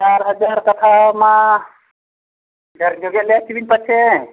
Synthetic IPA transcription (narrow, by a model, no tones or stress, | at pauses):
t͡ʃaɾɦəd͡ʒaɾkət̪ʰamã | ɡʱəɾd͡ʒʱoɡjelet͡ʃibinpət͡ʃʰe